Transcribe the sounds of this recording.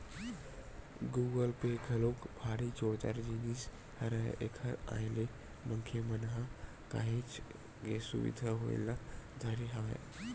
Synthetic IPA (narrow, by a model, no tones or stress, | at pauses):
ɡuːɡəlpekʰəlokbʱaːɽit͡ʃoɽt̪a̰ɾd͡ʒinis | hɐɾa̰ʔekʰəɾa̰jle | məŋkʰemənɦã | ka̰ɦit͡ʃ | ɡesṵʋḭd̪ʱaɦo̰ḛlad̪ʱəɾiɦaʋḛ